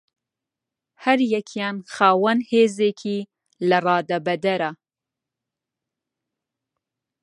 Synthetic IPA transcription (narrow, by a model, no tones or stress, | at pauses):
hɐɾjɛkʰjɑnxɑːwɐnheːzekʰi | lɐrɑːd̪ɐbɐd̪ɐɾa